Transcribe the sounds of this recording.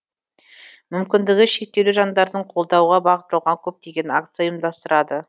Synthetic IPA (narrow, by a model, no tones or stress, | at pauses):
mʏmkʲɪnd̪ɪɡʲɪʃe̞k̚t̪elɪʒɑnd̪ɑɾd̪əɴqʰo̞lˠd̪ɑwʁɑbɑʁət̪ːəlˠʁɑŋkʲʰɵp̚t̪e̞ɡʲe̞na̰kt̪sɨjajəmd̪ɑst̪əɾɑd̪ə